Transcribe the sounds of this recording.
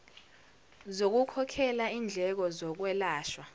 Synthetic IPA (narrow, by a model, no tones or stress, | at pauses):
zok̬ukʰɔkʰɛlaind͡ɮʱɛk̬ɔzɔk̬wɛlaːʃwa